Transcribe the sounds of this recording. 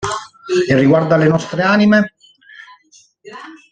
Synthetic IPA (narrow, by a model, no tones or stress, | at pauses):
irːiɡward̪alenɔst̪ɾeaːnime